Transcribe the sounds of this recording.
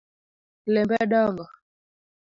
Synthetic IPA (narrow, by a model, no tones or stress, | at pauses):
lɛmbɛɗaŋɡɔ